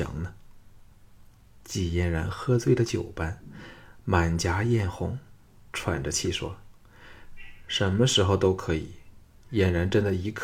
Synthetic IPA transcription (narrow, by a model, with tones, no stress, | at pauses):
ɑ̰˨˥˩ŋnə˧ | t͡ɕi˨˩jɛ˥˩nɻa˧˥nxɤ˥t͡swe˥˧ɪd̪ə˩t͡ɕjo˨˩ʊpa˥nma˨˩nt͡ɕja˧˥jɛ˥˩nxʊ˧˥ŋ | ʈ͡ʂʰwa̰˨˩nʈ͡ʂə˦t͡ɕʰi˥˩ʂwɔ̰˥ | ʂə˧˥nmə˧ʂɻ̩˧˥xo˧ʊt̪o˥ʊkʰɤ˧˥i˨˩˦ | jɛ˨˩nɻa˧˥nʈ͡ʂə˥nd̪ə˨i˧˥kʰ